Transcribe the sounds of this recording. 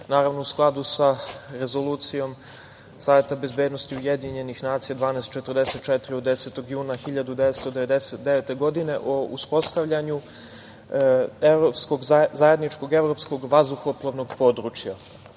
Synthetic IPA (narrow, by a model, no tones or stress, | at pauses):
naːɾaʋnousklˠad̪usaɾe̞zo̞lˠuːt̪sijo̞m | saːʋje̞t̪abe̞zbeːd̪nost̪iujed̪iɲe̞nixnaːt̪sijad̪ʋaːnɛːst̪̚t͡ʃet̪ərd̪eset̪̚t͡ʃɛt̪ɾiod̪eset̪o̞ɡjuːnaxiʎad̪ud̪eʋet̪st̪od̪e̞ʋe̞d̪eset̪̚d̪eʋet̪e̞ɡo̞d̪ine̞ʔouspo̞st̪aʋʎaɲu | evɾopsko̞ɡzaje̞d̪nit͡ʂko̞ɡe̞vɾo̞psko̞ɡʋazd̪uxoplˠoʋno̞ɡpo̞ːd̪ɾut͡ʃja